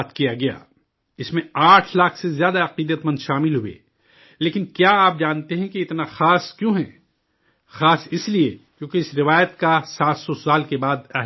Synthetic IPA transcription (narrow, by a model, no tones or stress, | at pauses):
t̪kijaɡɐja̰ː | ɪsmẽaːʈʰlaːkʰsezjaːd̪aɐqiːd̪ət̪mɐ̃nd̪ʃaːmɪlɦʊḛː | leːkɪnkjaaːp̚d͡ʒaːnt̪eɦɛ̃kiɪt̪naxaːskjõɦɛ | xaːsɪsliekjõːkeɪsɾɪʋaːjət̪kasaːt̪sɔsaːlkebaːd̪ɛɦ